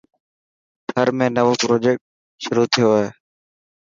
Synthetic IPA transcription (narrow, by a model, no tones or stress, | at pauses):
kʰəɾmẽːnəʋoːpɾoːd͡ʒeːk̚ʈ̚ | ʃʊɾuːt̪ʰɪjoɦeː